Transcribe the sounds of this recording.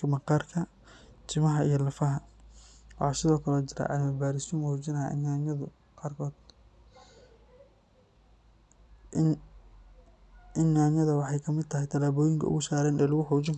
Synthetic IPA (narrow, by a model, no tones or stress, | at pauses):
ɐmɐqɑːrkʰɐ | t͡ʃʰɪmɐɦɐijɞlɐfɐɦɐ | wɑħɑːsɪðɔːkʰɐlɛt͡ʃɪɾa̰ʕɑ̰mɐbaːɾɪst̪ʊmhuːt͡ʃɪnɐja̰ʔɪ̰naɐðʊ | qɑːrkʰɔːd̪ | ɪnaːnjɐðɐwɑħɑjkʰɐmɪd̪̚t̪ʰɐɦɪjt̪ʰɐlaːβɔːjɪŋkʰɐ̰ʊ̰ɣʊsaːɾɛːnɛːlʊɣʊħɔːt͡ʃɪŋk